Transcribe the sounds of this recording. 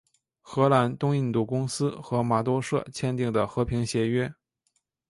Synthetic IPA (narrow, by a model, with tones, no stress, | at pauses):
xɤ˧˥la˧˥nt̪ʊ˥ŋi˥˧nt̪u˥˩kʊ˥ŋsɹ̩˥xɤ˧˥ma˨˩t̪̬wɔ˥ʂɤ̰˥˩t͡ɕʰjɛ˥nt̪i˥˩ŋd̪ə˩xɤ˧˥pʰi˧˥ŋɕjɛ˧˥ɥɛ˥